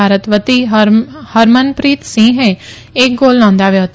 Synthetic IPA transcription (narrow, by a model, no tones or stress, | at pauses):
aːɾət̪ʋət̪ihəɾmənpɾiːt̪sĩːɦẽ | ek̚ɡoːlnɔ̃ːnd̪aːʋeɦot̪